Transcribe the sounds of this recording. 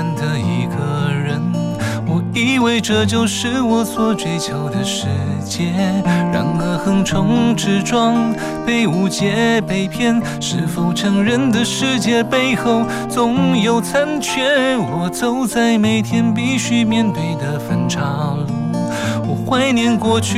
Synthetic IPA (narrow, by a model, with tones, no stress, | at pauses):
nd̪ə˧i˧˥ɡə˧ɻə˧˥n | wɔ˨˩i˧˥we˥ɪʈ͡ʂə˧t͡ɕjo˥˧ʊʂɻ̩˧˥wɔ˧˥swɔ˨˥ʈ͡ʂwe˧˥ɪt͡ɕʰjo˧˥ʊd̪ə˧ʂɻ̩˧˥t͡ɕjɛ˥ɻa̰˧˩nə˧xə˧˥ŋʈ͡ʂʰʊ˧˥ŋʈ͡ʂɻ̩˧˥ʈ͡ʂwɑ˥˧ŋ | pe˥˩ɪu˧˥t͡ɕjɛ˧˥pe˧˥ɪpʰjɛ˥˧n | ʂɻ̩˥˧fu˧˩ʈ͡ʂʰɤ˧˥ŋɻə˧˥nd̪ə˨ʂɻ̩˥˧t͡ɕjɛ˥˧pe˥˧ɪxo˥˧ʊ | t͡sʊ˧˥ŋjo˧˩ʊt͡sʰa˥nt͡ɕʰɥɛ˧˥wɔ˨˩t͡so˧˥ʊt͡sa˥˩ɪme˨˧˩ɪt̪ʰjɛ˥np̬i˥˧ɕy˥mjɛ˥˧nt̪we˥˩ɪd̪ə˩fə˧˥nʈ͡ʂʰɑ˨˥ʊlwɔ˨˩xwa˥ɪnjɛ˧˥nkwɔ˥˧t͡ɕʰy˥